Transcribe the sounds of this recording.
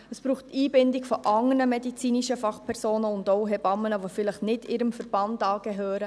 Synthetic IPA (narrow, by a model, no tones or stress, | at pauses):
əsb̥ɾuːχtːiːbɪndɪkfɔʔɑŋənəmɛdit͡siːniʃəfɑχpʰɛɾsoːnəʊndoʊɦɛbɑmːənəʋofɪləχnɪdɪɾəmfəɾb̥ɑndɑːɡ̥ɛɦøːɾə